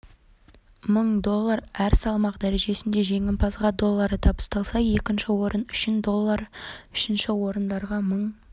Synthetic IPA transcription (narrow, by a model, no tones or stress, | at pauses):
məɴd̪o̞lˠːɑɾæɾsɑlˠmɑqd̪æɾe̞ʒe̞sɪnd̪e̞ʒe̞ŋʲɪmpʰɑzʁɑd̪o̞lˠːɑɾət̪ʰɑbə̥st̪ɑlˠsɑje̞kʲɪnʃɪwo̞ɾənʏʃɪnd̪o̞lˠːɑɾʏʃɪnʃɪwo̞ɾənd̪ɑɾʁɑməɴ